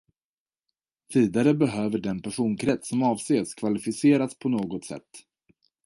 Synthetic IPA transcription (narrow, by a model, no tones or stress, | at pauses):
viːd̪aɾəbɛɦøːvəɖɛnpʰæʂuːnkʰɾɛt̪ssɔmɑːvseːskʰvalɪfɪseːɾat̪spʰɔnoːɡɔt̪sɛ̰t̪ː